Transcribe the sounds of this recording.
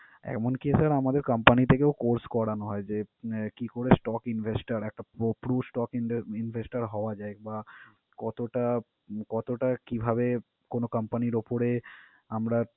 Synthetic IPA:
ɛ̰kmonkisaɾamad̪eɾkampanit̪ʰekeokoɾskɔɽanoɦɔed͡ʑekikoɾesʈɔkinbʱesʈaɾɛk̚ʈapopɾusʈɔkiinvʱesʈaɾɦɔoad͡ʑaeba | kɔt̪oʈa | kɔt̪oʈakibʱabe | konokampaniɾopoɾe | amɾa

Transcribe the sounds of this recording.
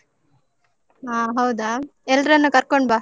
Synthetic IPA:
aːɦɐwd̪aːɛlɾɐnːukɐɾkoɳɖbaː

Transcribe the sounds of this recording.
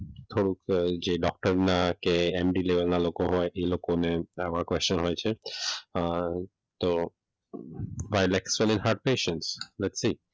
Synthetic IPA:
t̪ʰoɽukd͡ʑeɖɔk̚ʈaɾnakeemɖilebelnalokoɦɔeʔelokoneabakwest͡ʃonɦojt͡ɕʰe | t̪o | bajlɛksolĩnɦaɾɖ̚peʃẽnslɛtsi

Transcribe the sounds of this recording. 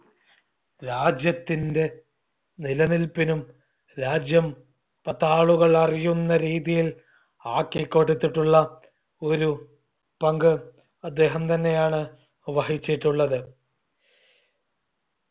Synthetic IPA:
ɾaːd͡ʑjɐt̪ːinde̞ | nilɐnilpinum | ɾaːd͡ʑjɐm | pɐt̪ːaːɭuɣɐɭɐrijunːɐɾiːðijil | aːkːekːoʈːut̪ːiʈːuɭːɐ | o̞ɾu | pɐŋɡɨ | ɐd̪ːe̞ːɦɐmt̪ɐnːe̞jaːɳɨ | ʋɐhit͡ɕːiʈːuɭːɐðɨ

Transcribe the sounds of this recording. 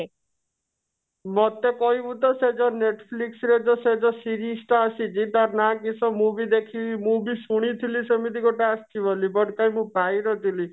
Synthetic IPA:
mɔt̪ekɔibũt̪ɔsed͡ʒɔneʈpʰliksɾed͡ʒɔsed͡ʒɔsiɾisʈaasit͡ʃit̪aɾnakisɔmũbid̪ekʰimũbisuɽ̃it̪ʰilisemit̪iɡoʈeast͡ʃibɔlibɔɽkajmũpajɾɔt̪ili

